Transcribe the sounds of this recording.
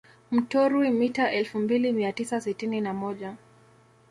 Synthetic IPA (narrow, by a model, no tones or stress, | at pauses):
m̩tɔɾwimitaʔɛlfumbilimiatisasitininamɔʄa